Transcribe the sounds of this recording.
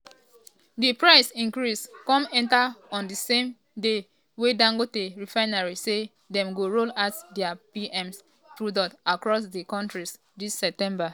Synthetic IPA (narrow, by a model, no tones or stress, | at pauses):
dipɹaɪsĩnkɹiskɔ̃mɛ̃ntaɔ̃ndisẽm | de | wedãŋɡoteɹifaɪnaɹise | dɛ̃mɡoɹolatdɛapiɛ̃ms | tɹudɔtakɹɔs̬dikɔ̃ntɹis | dissɛp̚tɛ̃mba